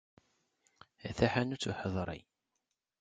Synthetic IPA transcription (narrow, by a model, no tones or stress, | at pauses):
æθæħænut͡sːuħəðˤɾˤḭ